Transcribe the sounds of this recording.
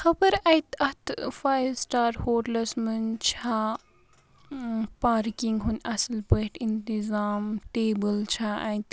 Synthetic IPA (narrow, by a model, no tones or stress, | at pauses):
xɐbɐɾɐjt̪ɐt̪faːjsʈaːɾhoːʈlɐsmɨnt͡ʃʰaː | paːɾkiŋɡɦunʔɐsɐlpəʈint̪izaːmʈeːbəlt͡ʃʰaʔɐ̰jt̪